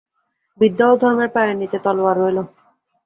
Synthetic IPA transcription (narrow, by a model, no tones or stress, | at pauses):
bid̪ːalod̪ʱɔɾmeɾpajenːit̪et̪ɔloaɾoelo